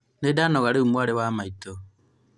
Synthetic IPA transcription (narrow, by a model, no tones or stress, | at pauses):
nedaːnɔɣaɾeumwaɾewaːmaito